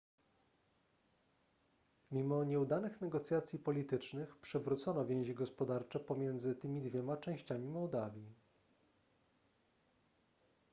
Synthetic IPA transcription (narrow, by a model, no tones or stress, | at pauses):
mʲimɔɲɛud̪anɘxnɛɡɔt̪sʲjat̪sʲjipɔlʲit̪ɘt͡ʂnɘxpʂɛvɾut̪sɔnɔvʲjɛ̃w̃ʑiɡɔspɔd̪aɾt͡ʂɛpɔmʲjɛnd̪zɘt̪ɘmʲid̪vʲjɛmat͡ʂɛ̃w̃ɕt͡ɕamʲimɔwd̪avʲji